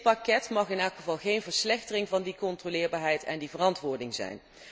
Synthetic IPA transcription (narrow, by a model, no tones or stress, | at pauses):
pɑkɛtmɑχɪnɛlˠkχəvɑlˠχejnvəɹslɛχtərɪŋvɑndikɔntrolɪːɹbaːɹɦɛjtɛ̰ndivərɑntʋʊːɹdɪŋzɛ̰jn